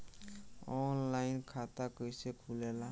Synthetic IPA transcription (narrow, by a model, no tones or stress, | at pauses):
ɔnlajnkʰat̪akəjsekʰulela